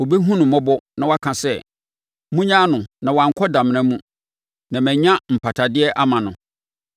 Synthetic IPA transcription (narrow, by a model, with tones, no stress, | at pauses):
wo˨bi˦ɦũ˦nʊ̃˨mɔ̃˦bɔ˦nã˨wa˦kʰã˨sɛ˦˨ | mũ˦ɲã˦nʊ̃˨nã˨wɔ˨ã˨ŋ̩˦kʰɔ˦dã˨m̃˨ã˦mũ˦ | nã˨mɛ̃˨ɲã˦m̩˨pʰa˨tʰa˨dɪ˦ɛ˦ʔa˦mã˨nʊ̃˨